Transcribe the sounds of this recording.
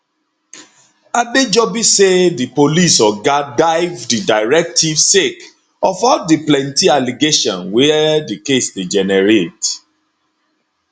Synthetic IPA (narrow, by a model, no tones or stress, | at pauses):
abed͡ʒɔbisedipolisɔɡadaɪvdidaɪɹɛk̚tʰivsek | ɔfɔdiplɛ̃ntialiɡeʃɔ̃nwɛdikesded͡ʒɛnɛɹet